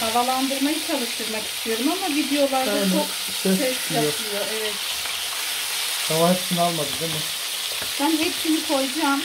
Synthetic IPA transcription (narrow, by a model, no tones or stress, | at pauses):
havalˠand̪ɯɾmajɯt͡ʃʰalˠɯʃt̪ʰɯɾmaki̥st̪ʰijo̞ɾumamavid̪ejo̞lˠaɾd̪ant͡ʃʰok | sɛsɛsajijoɛvɛt̪̚ | havaɦɛpsinalˠmad̪ɯd̪emɪ | b̥ænɦɛpsinikʰo̞jd͡ʒaːm